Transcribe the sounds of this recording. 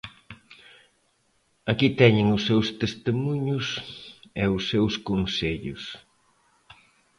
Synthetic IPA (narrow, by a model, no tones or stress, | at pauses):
akit̪ɛɲɪŋʊsːewst̪est̪emuɲʊsɛʊsːewskonseʎʊ̰s